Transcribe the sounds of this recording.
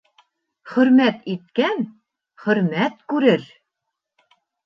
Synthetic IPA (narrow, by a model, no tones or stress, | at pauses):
χɵ̆ɾmæt̪it̪̚kæn | χɵ̆ɾmæt̪kʉɾɘɾ